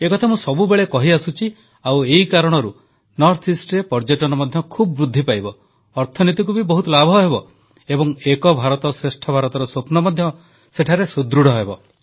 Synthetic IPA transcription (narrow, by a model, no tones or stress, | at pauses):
ekɔt̪ʰamũsɔbubeɭekɔɦiasut͡ʃʰi | aweɦikaɾɔɽ̃ɔɾu | nɔɾt̪ʰisʈɾepɔɾd͡ʒeʈɔnɔmɔd̪ʱjɔkʰubɔbɾud̪ʱːipajbɔː | ɾt̪ʰɔnit̪ik̬ubibɔɦut̪ɔlabʱɔɦebɔ | ebɔŋekɔbʱaɾɔt̪ɔsɾesʈʰɔbʱaɾɔt̪ɔɾɔsopnɔmɔd̪ʱjɔ | seʈʰaɾesud̪ɾuɽɔɦebɔ